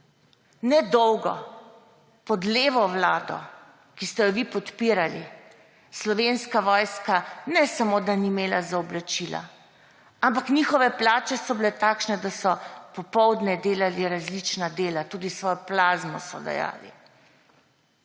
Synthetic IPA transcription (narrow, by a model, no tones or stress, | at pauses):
nɛd̪ɔwɡɔ̰ | pɔd̪leːʋɔʋlaːd̪ɔ̰ | kist̪ɛjɔʋipɔt̪piːɾali | slɔʋenskaʋɔːjskanɛsamod̪animeːlazaɔblat͡ʃila̰ | ampaknixɔʋɛplaːt͡ʃɛsɔbilɛt̪aːkʃnɛd̪asɔpɔpɔwd̪nɛd̪eːlaliɾazlit͡ʃnad̪eːlat̪uːd̪isʋɔːjɔplaːzmɔsɔ̰d̪a̰ja̰ːlḭ